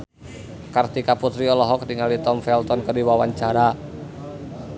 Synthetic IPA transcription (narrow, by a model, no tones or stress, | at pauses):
kart̪ikaput̪ɾiɔlɔɦɔk̚diŋalit̪ɔmfɛlt̪ɔnkərdiwawaɲt͡ʃaɾa